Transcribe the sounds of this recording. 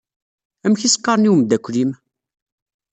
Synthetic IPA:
æmçisqːɑɾˤniwmd̪ækʷːlim

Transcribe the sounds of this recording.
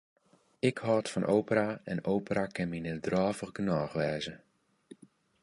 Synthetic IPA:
ɪkhɔːtfɔnʔowpəraɛnowpərakɪnminɪdrɔːvəχɡənɔːxʋɛːzə

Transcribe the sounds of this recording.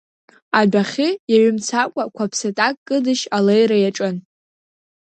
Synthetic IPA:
abaχʲɪjaɥʊmt͡sʰakʷʼakʷʰapʰsatʼakʼkːʼɨdɨʃalejɾajaʈ͡ʂʼɨn

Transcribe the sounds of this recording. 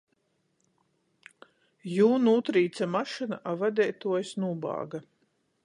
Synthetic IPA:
juːnuːt̪ɾiːt̪samaʃɨnaʔavad̪ʲɛːjt̪uɔjsnuːbɑ̰ːɡa

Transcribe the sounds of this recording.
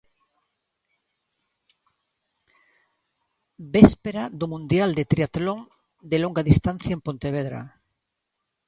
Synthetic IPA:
bespeɾaðomũnd̪jald̪et̪ɾiat̪lõŋ | d̪eloŋɡaðist̪anθjaempont̪eβeðɾa̰

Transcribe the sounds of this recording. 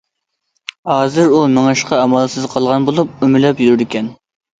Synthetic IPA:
hɑːzɨɾumɪŋɑʃqʰɑɑmɑlˠsɨzqʰɑlˠʁɑnbolˠup̚ymɪlɛpjyɾɪd̪ɪkʲɛn

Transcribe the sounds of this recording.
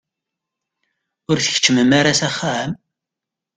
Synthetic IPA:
ʊɾθə̥çə̥t͡ʃːməmaɾasaχːam

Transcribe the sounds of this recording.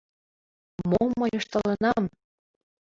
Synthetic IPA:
momːɤjoʃt̪ɤ̆lɤ̆nɑm

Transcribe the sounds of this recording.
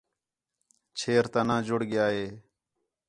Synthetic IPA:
t͡ʃʰeːɾt̪aːnãːd͡ʒʊɽɡɪjaːɦeː

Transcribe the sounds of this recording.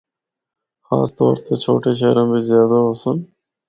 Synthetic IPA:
xa̰ːst̪o̰ːɾt̪ʰet͡ʃʰoːʈeʃ̬eɾombizjɑːd̪aosun

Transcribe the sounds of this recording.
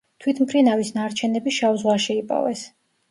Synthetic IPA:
t̪ʰwit̪ʰmpʰɾinavisnaɾt͡ʃʰɛnɛbiʃavzʁwaʃɛipʼɔ̰vɛs

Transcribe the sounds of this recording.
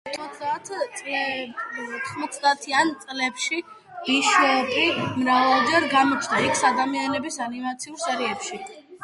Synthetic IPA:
ɔt̪ʰmɔt̪sd̪at̪ʰ | ɔt̪ʰχmɔt̪sʰd̪aːt̪ʰiant̪sʼlɛpʃi | miʃwɛpʰimɾavalˠd͡ʒɛɾɡamɔt͡ʃʰd̪aikʰsad̪amianɛbisanimat̪sʰiulˠsɛɾiɛpʃi

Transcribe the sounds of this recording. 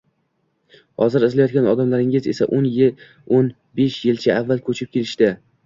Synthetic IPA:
hɒzɪɾɪzlajɒt̪kʲanɒd̪amlaɾɪŋɪzesaʔonjɪ | on | beʃjɪlt͡ʃʰaːvːalkʰɵt͡ʃʰɪp̚kʲʰe̞lɪʃt̪ɪ

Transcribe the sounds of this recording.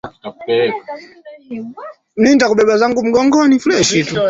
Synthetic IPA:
akuɛ | nuindakuɓɛɓazaŋɡum̩ɡɔŋɡɔnifulɛʃitu

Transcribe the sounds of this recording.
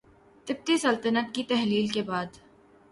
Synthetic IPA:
t̪ɪb̚t̪isɐlt̪ənət̪̚kit̪ɛɦliːlkebaːd̪

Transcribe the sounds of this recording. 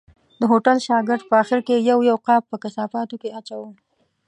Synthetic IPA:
d̪əɦoʈalʃɑɡɪɾd̪̚pəaxɪɾkejawjawqɑppəkɪsɑfɑt̪okeat͡ʃawə

